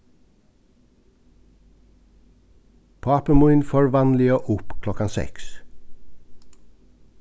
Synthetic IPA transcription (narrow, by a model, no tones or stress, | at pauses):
pʰɑpəmuɪnføːɹʋɑnlɪoːʔʊpkʰlɔkɑsɛ̰ks